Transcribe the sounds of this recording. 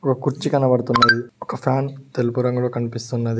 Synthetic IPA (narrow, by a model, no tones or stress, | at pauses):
ɔkɐkuɾt͡ʃːikɐnɐʋɐɽt̪unːɐj̪iɔkɐpʰjaːnt̪elupuɾɐŋɡɐloːkɐnipist̪unːɐd̪i